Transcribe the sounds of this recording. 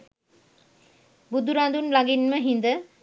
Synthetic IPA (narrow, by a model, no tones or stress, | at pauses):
bud̪uɾand̪unlaɡinməɦind̪ə